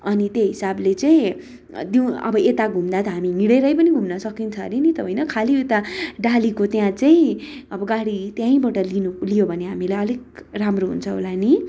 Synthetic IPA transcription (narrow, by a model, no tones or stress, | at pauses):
ʌnit̪jeɦisablet͡sʌĩ | d̪iw̃ʌ̰bʌet̪aɡʱumd̪at̪ʌɦamimiɽʌɾʌjpʌniɡʱumnʌsʌkint͡sʰʌnenit̪ʌɦojnʌkʰaliet̪aɖalikot̪jãt͡saĩ | ʌbʌɡaɽit̪jãĩbʌʈʌlinulijobʱʌneɦamilajʌliɡ̚ramroɦṵnt͡sʰʌɦo̰lani